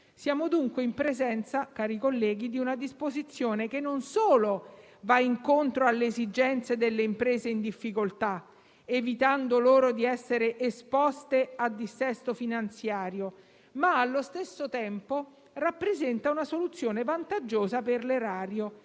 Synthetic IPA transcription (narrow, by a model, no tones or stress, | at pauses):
sjaːmod̪uŋkweimpɾezɛnt̪sakaːɾikolːɛːɡ̟id̪iunad̪ispozit̪sːjoːnekenːonsoːlo | vaiŋkont̪ɾoalːeːzid͡ʒɛnt̪sed̪elːeimpɾeːzeind̪ifːikolt̪a | evit̪and̪oloːɾod̪iɛsːeɾeʔespɔst̪ead̪ːisɛst̪ofinant̪sjaːɾjo | maːlːost̪esːot̪ɛmpo | rapːɾezɛnt̪aunasolut̪sːjoːnevant̪ad͡ʒːoːzaperleɾaːɾjo